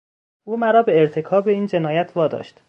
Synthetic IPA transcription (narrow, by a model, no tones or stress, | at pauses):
ʔuːmæɾɒːbe̞ːɾt̪ʰe̞kʰɒːbeiːnd͡ʒe̞nɒːjæt̪ʰvɒːd̪ɒ̰ːʃt̪